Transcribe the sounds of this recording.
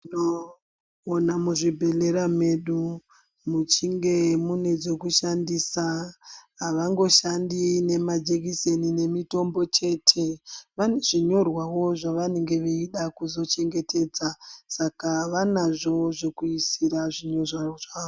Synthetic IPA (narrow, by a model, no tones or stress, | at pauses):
inoː | namuʐibʱe̞leɾameɗu | mut͡ʃiŋɡe̞mune̞d͡zo̞kuʃandisaɦaʋaŋɡo̞ʃandine̞mad͡ʒekisenine̞mito̞mbo̞t͡ʃe̞tʰe̞ʋaneʐiɲo̞rwawo̞ʐaʋane̞ŋɡe̞ʋeiɗakuzo̞t͡ʃe̞ŋɡe̞tʰe̞ːd͡zasakaʋanaʐo̞ʐokuisiɾaʐiɲo̞raʐao